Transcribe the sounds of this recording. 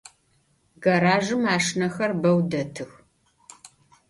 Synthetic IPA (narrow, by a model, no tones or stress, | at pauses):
ɡɐɾaːʒɨmaːʂnɐxɐrbɐwdɐtʰɨx